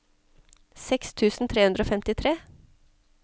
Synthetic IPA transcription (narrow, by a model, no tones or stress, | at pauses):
sɛkst̪ʰʉːsn̩t̪ʰɾeːʉnəoːfɛmt̪ɪt̪ʰɾeː